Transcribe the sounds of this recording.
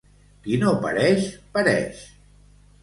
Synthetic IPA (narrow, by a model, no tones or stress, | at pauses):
kinopə̰ɾɛʃpəɾɛ̰ʃ